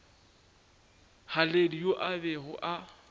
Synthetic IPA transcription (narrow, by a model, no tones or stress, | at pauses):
haledijoʔabɛɣʊʔa